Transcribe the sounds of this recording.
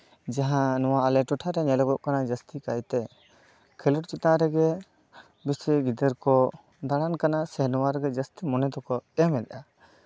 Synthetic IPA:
d͡ʒaɦãnɔwaalɛʈuʈʰaɾɛɲɛlɔɡɔʔkanad͡ʒəst̪ikajt̪ɛ | kʰɛlɔʈt͡ʃit̪aɾɛɡɛ | bisɛɡid̪əɾkɔ | d̪aɽankanasɛɦnɔwaɾɛɡɛd͡ʒəst̪imɔnɛd̪ɔkɔɛmɛd̪ɛʔa

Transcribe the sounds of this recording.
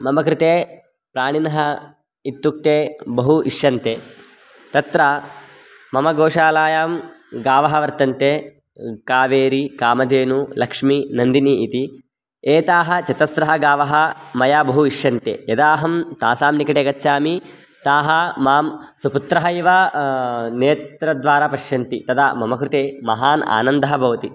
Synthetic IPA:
mɐmɐkɾɪt̪eː | pɾaːɳinɐɦɐ | it̪ːuk̚t̪eːbɐɦuiʂjɐnt̪eː | t̪ɐt̪ɾa | mɐmɐɡoːʂaːlaːjaːmɡaːʋɐɦɐʋɐɾt̪ɐnt̪eː | kaːʋeːɾikaːmɐd̪ʱeːnulɐkʂminɐnd̪iniit̪i | eːt̪aːɦɐ̆t͡ʃɐt̪ɐsɾɐɦɐɡaːʋɐɦɐmɐjaːbɐɦuiʂjɐnt̪ḛːjɐd̪aːɦɐmt̪aːsaːmnikɐʈeːɡɐt̪ːʃaːmi | t̪aːɦɐmaːmsuput̪ɾɐɦɐjiʋɐ | neːt̪ɾɐd̪ʋaːɾaːpɐʃjɐnt̪it̪ɐd̪aːmɐmɐkɾut̪eːmɐɦaːna̰ːnɐnd̪ɐɦɐbʱɐʋɐt̪i

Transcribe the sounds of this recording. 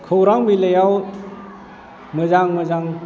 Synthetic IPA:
kʰɯwɾaŋmilajaw | mɯzaŋmɯzaŋ

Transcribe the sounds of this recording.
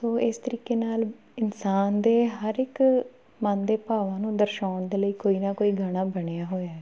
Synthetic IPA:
soːɪst̪əɾiːkeːnaːl | ɪnsaːnd̪eːɦəɾɪk | mənd̪eːpaːʋãːnũːd̪əɾʃaːɳd̪eːləiːkoːiːnaːkoːiːɡʱəɽ̃aːbəɳejaːɦoːjaːɛː

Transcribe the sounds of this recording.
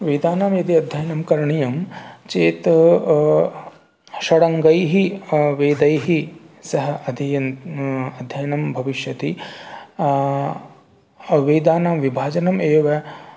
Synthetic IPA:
ʋeːd̪aːnaːmjɐt̪iɐd̪ʱjɐjɐnɐmkɐɾɳijɐmt͡ʃeːt̪ | ʃɐɽɐŋɡɐjɦiʋeːd̪ɐjɦisɐɦɐ̆ʔɐd̪ʱijɐnɐd̪ʱjɐjɐnɐmbʱɐʋiʃjɐt̪i | ʋeːd̪aːnaːmʋibʱaːd͡ʒɐnɐmeːʋɐ

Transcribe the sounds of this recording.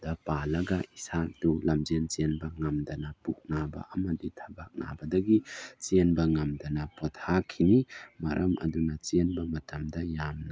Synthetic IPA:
dɐpalɐɡaʔisadulɐmd͡ʒent͡ʃenbɐŋɐmdɐnapuk̚nabɐ̰ʔamɐt̚it̪ʰɐ̥bak̚na̰bɐdɐɡit͡ʃenbɐŋɐmdɐnɐpɔt̪ʰakʰinimaɾʔɐ̰mʔɐ̰dunat͡ʃenbɐmɐtɐmdɐjamna

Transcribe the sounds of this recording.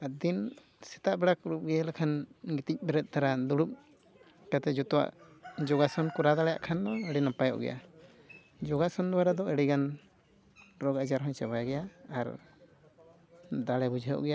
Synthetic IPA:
at̪̚d̪in | sɛ̥t̪aʔbɛɽakuɾup̚ɡɛalakʰanɡit̪ic̚bɛɾɛt̪̚ˀt̪aɾad̪uɽup̚ | kat̪ɛd͡ʒɔt̪ɔwa̰ʔ | d͡ʒɔɡasɔnkuɾad̪aɽɛja̰ʔkʰand̪ɔɛɽinapajɔ̰ʔɡɛ̰ja̰ | d͡ʒɔɡasɔnd̪uwaɾad̪ɔɛɽiɡan | ɾɔɡad͡ʒaɾɦɔɲt͡ʃaβajaɡɛjaːɾ | d̪aɽɛbud͡ʒajɔ̰ʔɡɛja

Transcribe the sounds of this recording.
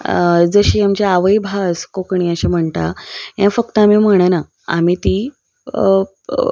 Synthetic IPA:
d͡zəɕiamt͡ɕeaʋəjbʱaskokɳ̃ĩəɕem̤əɳt̪a̰jẽfək̚t̪əamiːm̤əɽ̃əna | a̰miːt̪i

